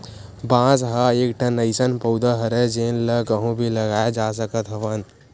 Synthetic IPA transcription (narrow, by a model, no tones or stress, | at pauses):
bãːsɦaekʈʰənəɪsənpəʊd̪aɦəɾed͡ʒeːnləkəɦũbʱiləɡaːjed͡ʒas̬əkət̪ɦəʋən